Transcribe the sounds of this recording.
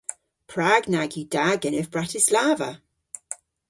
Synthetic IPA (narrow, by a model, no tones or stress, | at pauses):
pʰɹaːɡnaɡjid̥aɡənəvbɹatɪslaːvə̰